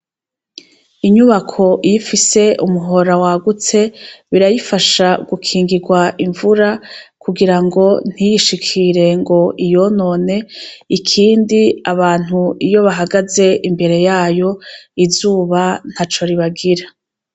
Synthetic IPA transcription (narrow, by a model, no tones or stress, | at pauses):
iɲuβakʰo̞jifise̞umuɦo̞ɾawaɡut͡se̞βiɾajifaʃaɡukʰiːŋɡiɡwaʔiɱvuɾakuɡiɾaŋɡo̞n̥hijiʃikʰiɾe̞ŋɡo̞ijo̞no̞ːne̞ikʰiːndiaβaːn̥huijo̞βaɦaɡaze̞ʔimbe̞ɾe̞jaːjo̞izuːβan̥hat͡ʃo̞ɾiβaɡiɾa